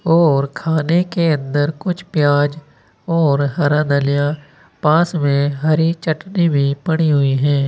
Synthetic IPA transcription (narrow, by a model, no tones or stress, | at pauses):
ɔːɾkʰaːnekeɐ̃nd̪əɾkʊt͡ʃʰpjaːd͡ʒ | ɔːɾɦɐɾãd̪əlijã | pãːsmẽɦɐɾit͡ʃɐʈnibʱipɐɽ̃iɦʊiɦɛ̃ː